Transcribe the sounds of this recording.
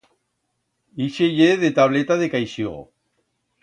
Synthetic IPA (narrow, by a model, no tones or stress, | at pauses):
iʃeʝeðet̪aβlet̪aðekajsiɣo̰